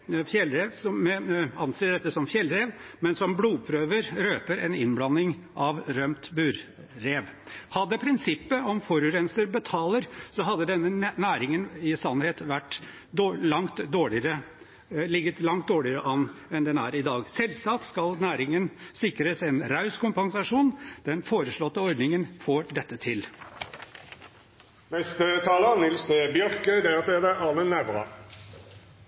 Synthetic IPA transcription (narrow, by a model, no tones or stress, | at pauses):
fjɛlɾeːʋsɔmɛɑnseːɖɛt̪ːəsɔmfjɛlɾeːʋmɛnsɔmbluːpʰɾøːʋəɾɾøːpəɾɛnɪnblɑnːɪŋ | ʔɑʋɾœmt̪bʉːɾ | ɾeːʋhɑd̪ːəpʰɾɪnsɪpːəɔmfɔɾʉɾɛnsəɾbət̪ʰɑːləɾsɔɦɑd̪ːəd̪ɛnːənæːɾɪŋənɪsɑnːheːt̪ʋæʈː | d̪lɑŋt̪d̪oːɭɪəɾə | lɪɡət̪lɑŋt̪̚d̪oːɭɪəɾəʔɑnːɛnd̪ɛnæ̰ːɾɪd̪ɑːɡsɛlsɑt̪skɑlnæːɾɪŋənsɪkɾəsɛnɾɑʉskʰʊmpɑŋsɑʂuːnd̪̥ɛnfoːɾəʂɭɔt̪ːəɔɾd̪nɪŋənfoːɖɛt̪ːət̪ʰɪl | nɛst̪ət̪ʰɑːlənɪlst̪əbjœʁkəd̪ɛət̪ʰeːd̪əʔɑːʁmənːɛʋʁɑ̰